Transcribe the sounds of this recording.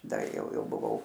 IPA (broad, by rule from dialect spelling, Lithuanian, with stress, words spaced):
ˈdɐ ˈjɛʊ ˈjɛʊ bʊˈʋɐʊ